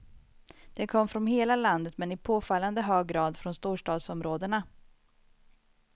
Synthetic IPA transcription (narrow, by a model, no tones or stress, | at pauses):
d̪̥ɛnkʰɔmːfɾɔnɦeːlaland̪ət̪mɛnɪpʰoːfalːand̪əɦøːɡːɾɑːd̪fɾɔnst̪uːʂʈɑːd̪sɔmɾoːd̪əɳa